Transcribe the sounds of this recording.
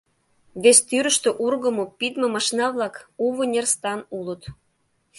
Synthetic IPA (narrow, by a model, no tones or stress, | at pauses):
βest̪yɾə̆ʃt̪øʔurɣə̆mopid̪mə̆mɑʃnɑβlɑkuβənʲerst̪ɑnulət̪